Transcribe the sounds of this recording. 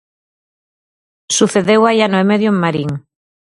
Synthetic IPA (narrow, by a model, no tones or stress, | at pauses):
suθeðewajanoemeðjoeŋmaɾiŋ